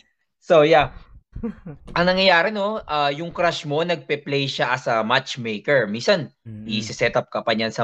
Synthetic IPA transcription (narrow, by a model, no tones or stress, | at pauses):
sowja | ʔɐŋnɐŋjɐjaːɾɛno̞ʔaːjʊŋkɾaʃmo̞nɐɡ̚pɛplejʃaʔɐsɐmat͡ʃmejkɛɹminsɐnʔisɪsɛt̪ap̚kɐpɐɲansɐ